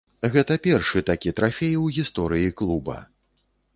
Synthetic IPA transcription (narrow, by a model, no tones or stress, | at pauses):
ɣɛt̪ɐpʲɛrʂɨt̪akʲit̪ɾafʲejwɣʲist̪ɔɾɨjiklˠubɐ̰